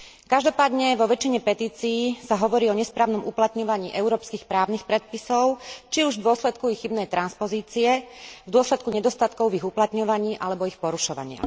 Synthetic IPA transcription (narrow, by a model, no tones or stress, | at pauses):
kaʒd̪ɔpaːd̪ɲɛʋɔʋɛt͡ʃiɲɛpɛt̪iːt͡siːsaɦɔʋɔɾiːɔɲɛspɾaːʊnɔmuplat̪ɲɔʋaɲiːʔɛuɾɔːpskiːxpɾaːʊnixpɾɛt̪̚pisɔʊt͡ʃiuʒvd̪ʊɔslɛt̪kuiɣːibnɛjt̪ɾanspɔziːt͡siɛvd̪ʊɔslɛt̪kuɲɛd̪ɔst̪at̪kɔʊiɣuplat̪ɲɔʋaɲiːʔalɛbɔixpɔɾuʃɔʋa̰ɲɪa̰